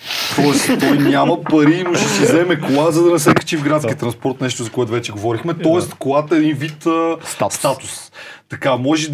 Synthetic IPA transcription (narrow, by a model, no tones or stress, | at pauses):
t̪ɔɛst̪ɔjnʲamɐpɐɾiːmoʃɛsizɛmɛklˠazɐd̪ɐnɛs̬ɛkɐ̥t͡ʃifɡɾat̪skʲiət̪ɾɐnspɔɾt̪nɛʃt̪ʊzɐkʊɛt̪ʊvɛt͡ʃɛɡovɔɾixmɛt̪ɔɛst̪koɡat̪oɛd̪invit̪əst̪at̪ʊ̥st̪ɐkamɔʒɛ